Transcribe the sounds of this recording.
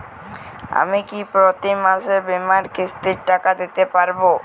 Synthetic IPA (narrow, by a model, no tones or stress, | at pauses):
a̰mikipɾot̪imaʃeɾbemaɾkist̪iɾʈakad̪it̪epaɾbo